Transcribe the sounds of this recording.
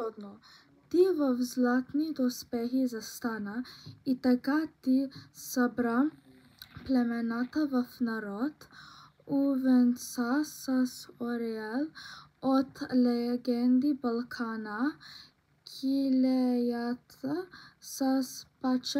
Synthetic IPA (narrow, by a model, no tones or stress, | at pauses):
ɔd̪nɔ | t̪ivəvzlˠat̪nid̪ɔspɛɦizast̪anait̪akat̪isabɾa | plɛmɛnat̪avəfnaɾɔt̪ | uvɛnsasasɔɾɛɛlot̪lɛɡɛnd̪ibalˠkʰana | kʰilɛjat̪ | saspat͡ʃ